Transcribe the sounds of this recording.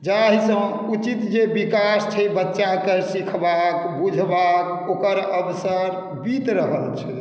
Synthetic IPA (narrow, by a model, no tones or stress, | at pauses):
d͡ʒaɦisə̃ | ut͡ʃit̪d͡ʒebikast͡ʃʰəjbətːʃakesikʰbakbud͡ʒʱbak | okəɾəbsəɾ | bit̪ɾəɦəlt͡ʃʰɛ